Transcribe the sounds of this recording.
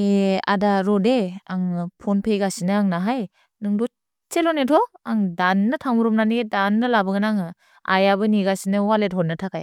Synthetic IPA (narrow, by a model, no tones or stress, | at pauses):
ea̰daɾɔdeaŋpʰɔnpʰejɡasinɯaŋnaɦaj | nɯŋdɔ | t͡ʃelɔnetʰɔaŋdanːɯtʰaŋmuɾumnaniɡedanːɯlabɯɡɯnaŋɯ | a̰jabɯniɡasinɯwalet̚ɦhɔt̚natʰakaj